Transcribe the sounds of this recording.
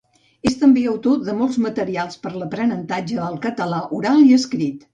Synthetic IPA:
est̪əmbeəwt̪oðəmɔlˠzmət̪əɾialˠspəɾləpɾənənt̪ad͡ʒəəlˠkət̪əlaʔuɾaliəskɾit̪

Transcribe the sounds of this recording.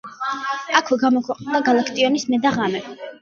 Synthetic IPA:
akʰwɛɡamɔkʰwɛqʼnd̪aɡalˠakʰt̪ʼiɔnismɛd̪aʁamɛ

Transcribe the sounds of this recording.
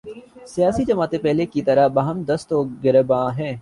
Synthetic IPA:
sɪjaːsid͡ʒɐmaːt̪ẽpɛɦlekit̪ɐɾabɐɦəmd̪ɐst̪oɡɪɾəbãːɦɛ̃ː

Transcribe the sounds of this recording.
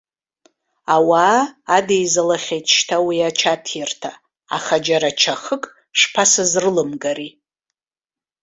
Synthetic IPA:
awaːdejzalaχʲejtʰʼʃtʰawiat͡ʃʰatʰjartʰa̰ː | χad͡ʒaɾat͡ʃʰaχəkʼ | ʂpʰasɨzrɨlɨmɡaɾi

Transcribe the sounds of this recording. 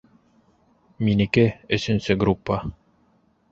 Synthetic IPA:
minɘ̆kɘɵ̆sɵ̆nsɵɡɾupːa

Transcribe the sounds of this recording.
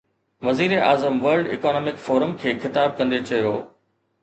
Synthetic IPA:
ʋɐziːɾeʔa̰ːzəmʋɐɾɖɪ̰kɔːnɔːmɪkfɔːɾəmkʰeːxɪt̪aːb̚kɐ̃nd̪et͡ɕɐjoː

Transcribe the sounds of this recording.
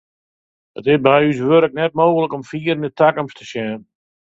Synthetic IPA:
ətɪsbɛjys̬ʋøɾək̚nɛt̚moːɣələkɔmfiːəɾənətʰakəmstʰəsjɛːn

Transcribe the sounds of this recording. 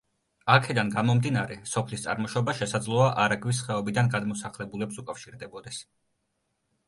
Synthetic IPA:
akʰɛd̪anɡamɔmd̪inaɾɛsɔpʰlist̪sʼa̰ɾmɔʃɔbaʃɛsad̪zlˠɔaʔaɾaɡvis̬χɛɔbid̪anɡad̪mɔsaχlɛbulɛpsukʼafʃiɾd̪ɛbɔd̪ɛs

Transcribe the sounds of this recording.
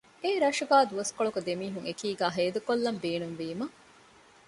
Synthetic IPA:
eːɾɐʃuɡaːd̪uʋɐskoɭokud̪emiːɦuŋekiːɡæːɦeːd̪ukolːɐmbeːnumʋiːmɐ

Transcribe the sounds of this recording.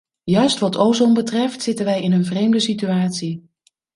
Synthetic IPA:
jœɥstʋɑtowzombətrɛftsɪtənʋɛjɪnənvrejmdəsityaːtsi

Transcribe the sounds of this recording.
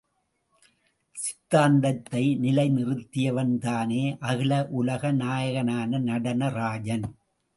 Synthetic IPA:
sɪ̥t̪ːaːnd̪ɐt̪ːɐɪnɪlɐɪnɪrɯt̪ːɪjɐʋɐnt̪aːneːʔɐɣɪlɐʔʊlɐɣɐnaːjɐɣɐnaːnɐnɐɽɐnɐɾaːd͡ʒɐn

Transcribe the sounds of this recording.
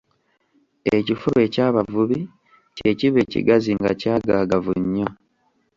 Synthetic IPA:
e̞cifuɾe̞ːcaːβavuβi | ce̞ciβe̞ːcḭɡaziŋɡacaːɡaɡavuɲːo

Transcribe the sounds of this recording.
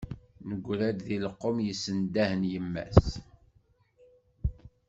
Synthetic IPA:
nəɡʷːlæd̪ðiləqːomjəsːənd̪æhənjəmːæ̰s

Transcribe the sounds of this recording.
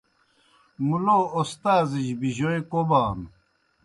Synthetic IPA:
muloːost̪aːzid͡ʑbiʑoekobaːn

